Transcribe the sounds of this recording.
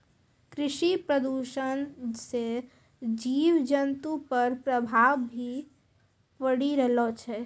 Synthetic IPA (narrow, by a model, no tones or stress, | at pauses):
kɾɪʃipɾəd̪uːʃənse | d͡ʒiːʋd͡ʒənt̪upəɾpɾəbʱaːʋbʱi | pəɽiɾɛlot͡ʃʰɛ